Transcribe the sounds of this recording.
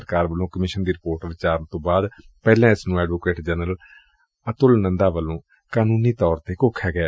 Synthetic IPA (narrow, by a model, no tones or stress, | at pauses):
əɾkaːɾʋəlõːkəmɪʃənd̪iːɾɪpoːɾʈʋɪt͡ʃaːɾənt̪õːbaːd̪ | pɛːlãːɪsnũːɛːɖʋoːkeːʈd͡ʒɛːnəl | ət̪ʊlnənd̪aːʋəlːõː | kaːnuːniːt̪ɔːɾt̪eːkoːkʰːɛːɡɛː